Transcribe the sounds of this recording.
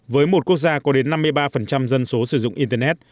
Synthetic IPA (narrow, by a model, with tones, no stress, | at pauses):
vəː˨˦jmo˨˩t̚ku˦˥ək̚zaː˧kɔ˨˦ɗe˨˦nːa˧mːɨ˧əjɓaː˧fə˨˩nt͡ɕa˧mzə˧nso˨˦sɨ˨˧˩zʊ̰˧˨ŋ͡mʔi˧t̪ɛː˧nɛ˦˥t̚